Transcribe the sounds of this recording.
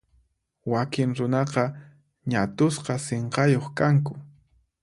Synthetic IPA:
wakɪŋɾʊnɑqɑ | ɲat̪ʊsqɑseɴqɑjoχkaŋkʊ

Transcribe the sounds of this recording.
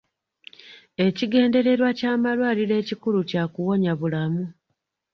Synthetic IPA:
e̞ciɡe̞ːnde̞ɾe̞ɾwacaːmalwaːliɾe̞ːcikuɾucaːkuwo̞ɲaβulamu

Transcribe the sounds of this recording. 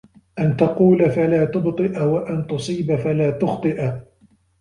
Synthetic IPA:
ʔant̪ɑquːlafalaːt̪ʊbt̪ˤɨʔwaʔant̪ʊsˤiːbafalaːt̪ʊxt̪ˤɨʔ

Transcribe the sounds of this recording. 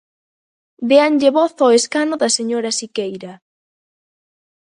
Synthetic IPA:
d̪eanʎeβɔθɔeskanʊðɐseɲoɾɐsikejɾɐ

